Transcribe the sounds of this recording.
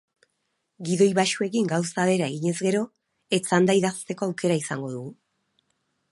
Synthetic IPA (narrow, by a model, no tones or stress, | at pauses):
ɡiðo̞jβaʃue̞kiŋɡawsaðe̞ɾae̞ɣiɲe̞zɡe̞ɾo̞ | e̞t͡sand̪aiðast̪e̞ko̞awke̞ɾaisaŋɡo̞ðuɣu